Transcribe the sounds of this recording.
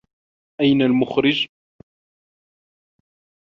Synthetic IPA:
ʔæjnalmʊxɾɪd͡ʒ

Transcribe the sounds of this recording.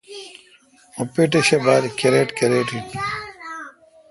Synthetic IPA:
opeʈeɕebaːɾikeɾeːʈkeɾeːʈit

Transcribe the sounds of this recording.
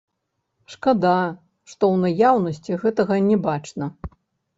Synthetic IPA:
ʂkad̪a | ʂt̪ɔwnajawnɐsʲt͡sʲiɣɛt̪ɐɣɐnʲɛbat͡ʂnɐ

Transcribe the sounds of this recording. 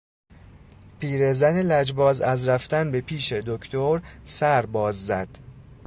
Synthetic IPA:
pʰiːɾe̞zænelæd͡ʒbɒːzæzɾæft̪ænbe̞pʰiːʃe̞d̪okʰt̪ʰoɾsæɾbɒːzːæd̪̥

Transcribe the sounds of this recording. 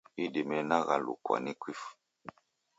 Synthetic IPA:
idimɛnaɣalṵkwa̰nikwif

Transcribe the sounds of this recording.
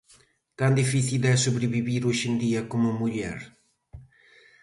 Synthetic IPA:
kand̪ifiθild̪ɛsuβɾeβiβiɾoʃend̪iɐkomʊmuʎɛ̰ɾ

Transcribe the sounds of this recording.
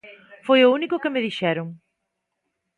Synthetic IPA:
fojounikʊkemeðiʃɛɾuŋ

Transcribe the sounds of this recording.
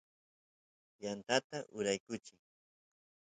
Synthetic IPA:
jant̪at̪aʔʊɾajkʊt͡ʃɪŋ

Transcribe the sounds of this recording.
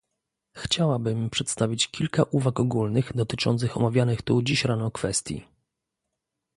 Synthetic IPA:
xt͡ɕawabɘmpʂɛt̪st̪avʲit͡ɕkʲilkaʔuvakɔɡulnɘɣd̪ɔt̪ɘt͡ʂɔnt̪sɘxɔmavʲjanɘxt̪ud͡ʑiɕɾanɔkfɛst̪ʲjḭ

